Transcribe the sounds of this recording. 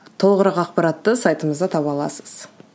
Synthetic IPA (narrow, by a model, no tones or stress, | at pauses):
t̪ʰo̞lˠʁəɾɑqɑqpɑɾat̪ːəsajt̪əməzd̪ɑt̪ʰɑpɑlˠɑ̰səz̥